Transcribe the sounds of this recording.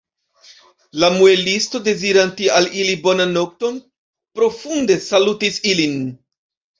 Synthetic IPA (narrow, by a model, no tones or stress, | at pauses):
lamue̞listo̞de̞ziɾantialilibo̞nannːo̞k̚to̞n | pɾo̞funde̞salutisilin